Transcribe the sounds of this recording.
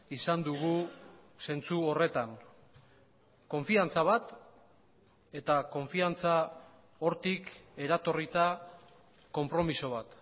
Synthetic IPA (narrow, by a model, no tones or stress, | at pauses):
isand̪uɣuse̞nt͡suo̞re̞t̪an | ko̞ɱfiant͡saβ̞at̪ | e̞t̪ako̞ɱfiant͡sa | o̞ɾt̪ike̞ɾat̪o̞rit̪a | ko̞mpɾo̞miso̞β̞at̪